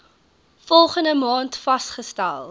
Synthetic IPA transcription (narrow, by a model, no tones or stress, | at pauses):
fɔlˠχəndəmɑːntfɐstχəstæ̰lˠ